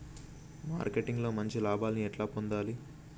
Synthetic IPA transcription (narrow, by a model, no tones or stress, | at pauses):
ma̰ːɾkeʈiŋɡlo̞ːmɐɲt͡ʃilaːbaːlɐniɛʈlaːpond̪aːli